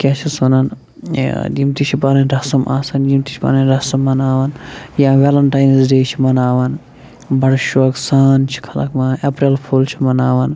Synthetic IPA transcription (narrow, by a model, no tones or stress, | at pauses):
kʲat͡ʃʰisunɐn | d͡ʒimt̪it͡ʃʰipaːnɐnɾɐsɐmʔa̰ːsɐnd͡ʒimt̪it͡ʃʰpa̰ːnɐnɾɐsɐmːɐnaːʋɐnjãʋelɐɳʈaːjnzɖeːt͡ʃʰimɐnaːʋɐn | bɐɽʃoksant͡ʃʰi̥kʰɐlɐ̰kmɐepɾilpʰuːlt͡ʃʰimɐnaːʋɐn